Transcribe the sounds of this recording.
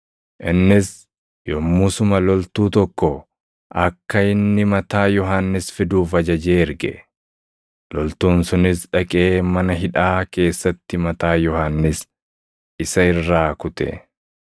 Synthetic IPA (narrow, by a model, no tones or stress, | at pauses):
ʔɪnːɪs | jɔmːʊsʊmɐlɔlt̪uːt̪ɔkːɔ | ʔɐkːɐɪnːɪmɐt̪aːjɔɦanːɪsfɪd̪uːfɐd͡ʒɐd͡ʒeːɪɾɡɛ̰ | lɔlt̪uːnsʊnɪsᶑɐkʼe̞ːmɐnɐɦɪᶑaːke̞ːsːɐt̪ːɪmɐt̪aːjɔhanːɪs | ɪsɐɪrːaːkʊt̪ɛ̰